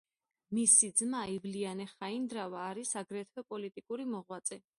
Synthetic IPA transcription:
misid̪zmaivlianɛχaind̪ɾavaːɾisaɡɾɛt̪ʰɛpʼɔlit̪ʼikʼuɾimɔʁwat̪sʼɛ

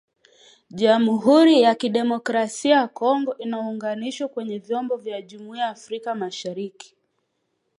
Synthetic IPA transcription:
ʄamɦuɾijakiɗɛmɔkɾasiajakɔŋɡɔʔinauŋɡaniʃwakwɛɲɛvjɔmbɔvjaʄumiaːfɾikamaʃaɾiki̥

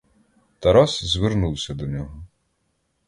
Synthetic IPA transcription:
t̪ɐɾɔszʲʋernuwsʲɐd̪ɔnʲɔɦɔ

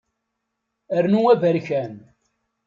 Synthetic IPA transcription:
əɾnuævəɾçæn

